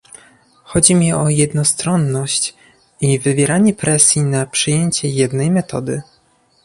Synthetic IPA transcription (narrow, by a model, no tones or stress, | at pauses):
xɔd͡ʑimʲiɔjɛd̪nɔst̪ɾɔnːɔɕt͡ɕ | ivɘvʲjɛɾaɲɛpɾɛsʲjinapʂɘjeɲt͡ɕɛjɛd̪nɛjmɛt̪ɔd̪ɘ